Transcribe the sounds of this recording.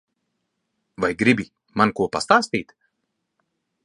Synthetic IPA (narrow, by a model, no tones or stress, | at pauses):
vajɡɾibʲi | mankuɔpa̰st̪aːst̪iːt̪